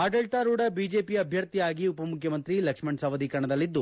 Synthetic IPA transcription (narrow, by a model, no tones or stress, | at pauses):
aːɖɐɭʈ̪aːɾuːɽɐbiːd͡ʒe̞ːpiɐbʱjɐɾt̪ijaːɡiupɐmukʰjɐmɐnt̪ɾilɐkʂmɐɳɖsɐʋɐd̪ʱikɐɳɐd̪ɐlːid̪ːu